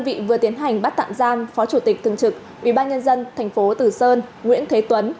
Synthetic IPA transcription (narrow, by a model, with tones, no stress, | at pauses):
ə˧nvḭ˧˨vɨ˨˩ət̪i˨˦ənɦa˨˩jŋ̟ɓa˦˥t̪a̰ː˧˨mzaː˧mfɔ˨˦t͡ɕu˧˩t̪i˨˩k̚t̪ʰɨ˨əŋt͡ɕɨ˨˩k̚ | ʔwḭ˧˩ɓaː˧nɲə˧nzə˧nt̪ʰɛ˨˩jŋ̟fo˨˦t̪ɨ˨˩səː˧nŋwḭ˧˥ənt̪ʰwe˨˦t̪wə˨˦n